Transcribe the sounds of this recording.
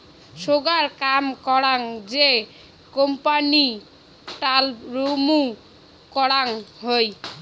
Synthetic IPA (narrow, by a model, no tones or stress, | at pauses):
ʃoɡaɾkamkɔɽaŋd͡ʑe | kompani | ʈalɾomu | kɔɽaŋɦoj